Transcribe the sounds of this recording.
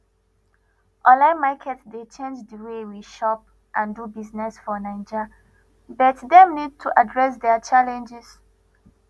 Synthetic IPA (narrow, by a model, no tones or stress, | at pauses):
ʔɔlãɪ̃makʰɛtsdet͡ʃẽnd͡ʒdəwewiʃɔp̚ | ʔãndubiznɛsfɔnãɪ̃nd͡ʒa | bɔtdɛ̃mnid̚tʰuʔadɹɛsdɛat͡ʃalɛ̃nd͡ʒɛs